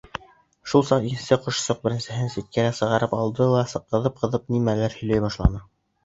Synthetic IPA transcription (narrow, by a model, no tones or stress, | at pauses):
ʃulˠsɑqiɘnsɘqŏʃsoq̚bɘ̆ɾɘ̆nsɘ̆ɦɘnsit̪̚kæɾæsɤ̆ʁɑɾɤpɑlˠd̪ɤw̪ˠæsɤ̆qːɤ̆ðɤp̚qɤ̆ðɤp̚nimælæɾhɵ̆jlæjbɑʃlˠɑ̰nɤ